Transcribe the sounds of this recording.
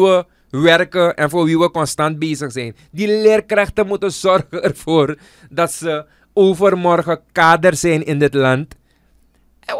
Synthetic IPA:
ə | ʋɛrkəʔɛnfoːrʋiʋəkɔnstɑnt̚beːsəxsɛjn | dileːrkrɛxtəmutəzɔrxəɛrfoːr | dɑtsə | oːfərmɔrɣəkaːdərsɛjnɪndɪtlɑnt

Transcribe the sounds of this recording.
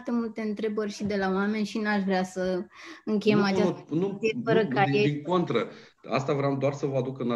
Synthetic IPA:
t̪e̞mult̪e̞ɨnt̪ɾe̞bərʲʃid̪e̞laoame̞nʲʃinaʃvɾeasəɨŋkʲe̞jemat͡ʃanuefəɾəkajeiŋkont̪ɾə | a̰st̪avɾeamd̪oarsəvəad̪ukəna

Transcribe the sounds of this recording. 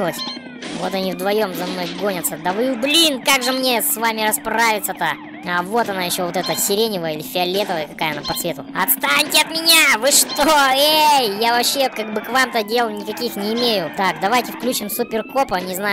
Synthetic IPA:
lˠəsʲ | vo̞t̪ɐnʲivd̪vɐjo̞mzɐmno̞jɡo̞nʲət̪səd̪əvɨjublʲinkaɡʐɨmnʲesvamʲɪɾɐspravʲɪt̪sət̪a | avo̞t̪ɐnajɪɕːo̞vo̞t̪ɛt̪əsʲɪɾʲenʲɪvəjəilʲɪfʲɪɐlʲet̪əvəjəkɐkajəɐnapɐt̪svʲe̞t̪ʊɐt̪st̪anʲtʲɪɐt̪mʲɪnʲavɨʂt̪oejjavɐpɕːekaɡ̚bɨkvamt̪ədʲe̞lˠnʲɪkɐkʲixnʲɪɪmʲejʊt̪akd̪ɐvajtʲɪfklʲut͡ɕɪmsʊpʲɪrko̞pənʲɪzna

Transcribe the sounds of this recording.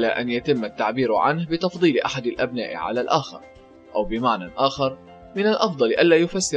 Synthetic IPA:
laːʔanjat̪ɪmːat̪ːaʕbiːɾʕa̰nhbɪt̪ɑfd̪ˤiːlɪʔa̰ħad̪alʔabna̰ːʔɪ̰ʕa̰laːlʔaːxɑ̰ɾˤ | ʔawbɪmaʕnaʔaːxɑɾˤ | mɪnalʔɑfd̪ˤɑlʔanllaːjʊfasːɪ

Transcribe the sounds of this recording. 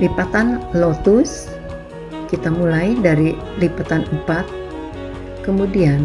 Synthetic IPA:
lipat̪anlot̪us | kit̪amulajdaɾi | lipat̪anəmpat̪̚ | kəmudian

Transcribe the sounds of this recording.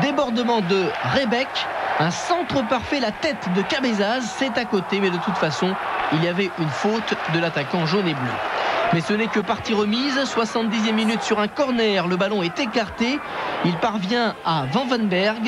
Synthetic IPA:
d̪ebɔʁd̪əmɑ̃d̪əʁebɛkɛ̃sɑ̃t̪χəpaʁfɛlat̪ɛt̪d̪əkabezazsɛt̪akot̪emɛd̪ət̪ut̪fasɔ̃ilijavɛʔynfot̪d̪əlat̪akɑ̃ʒoneblø̰mɛsənɛkəpaʁt̪iʁəmizswasɑ̃t̪̚d̪izjɛmːinyt̪syʁɛ̃kɔʁnɛʁləbalɔ̃ɛt̪ekaʁt̪e | ilpaʁvjɛ̃avɑ̃vɛ̃nbɛʁɡ

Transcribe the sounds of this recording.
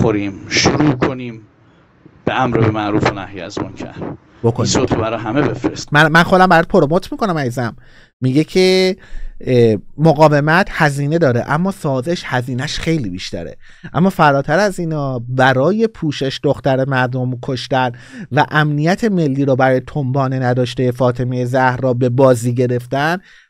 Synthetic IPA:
xoɾiːmʃoɾuːkʰoniːm | b̥eæmɾebemæʔɾuːfonæhjeæ̰zmɔ̰ːncʰæ̰ | bokʰonisot̪ʰobæɾɒːɦæmebefɾest̪mæmænxo̞d̪æmbæjæd̪̚pʰoɾomot̪ʰmiːkʰo̞næmæjizæmː | iːɟe̞cʰe | moɣɒːve̞mæt̪ʰhæziːne̞d̪ɒːɾḛʔæmːɒːsɒːze̞ʃhæziːnæʃχe̞jliːbiʃt̪æ̰ɾe̞̰ | ʔæ̰mːɒːfæɾɒːt̪ʰæɾæziːnɒːbæɾɒːje̞pʰuːʃe̞ʃd̪oxt̪æɾe̞mæɾd̪o̞mkʰo̞ʃt̪æn | væʔæmnijæt̪ʰe̞me̞lːiːɾɔːbæɾɒːjet̪ʰombɒːne̞næd̪ɒːʃt̪ejefɒːt̪ʰe̞mejezæhɾɒːbe̞bɒːziːɟe̞ɾe̞ft̪æn

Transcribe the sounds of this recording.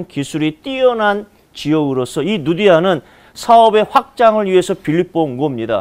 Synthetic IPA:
nkisʰuɾit͈ijʌnɦan | t͡ɕiʌɡɯɾos͈ʰʌinudiɦanɯn | sʰaʌbe̞ɸwak̚t͡ɕ͈aŋɯɭɥiɦe̞sʰʌpiʎip͈onɡʌmɲida̰

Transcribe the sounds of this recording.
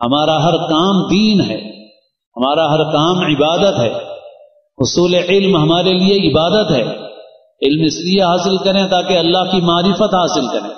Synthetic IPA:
hɐmaːɾaɦɐɾkaːmd̪iːnɦɛ̰ː | hɐmaːɾaɦɐɾkaːmɪbaːd̪ət̪ɦɛ̰ː | ʊsuːleʕɪlmɦɐmaːɾelieɪbaːd̪ət̪ɦɛ̰ː | ɪlmɪslijeɦaːsɪlkɐɾẽt̪aːkeɐlːaɦkimaːɾɪfət̪ɦaːsɪlkɐɾḛ̃ː

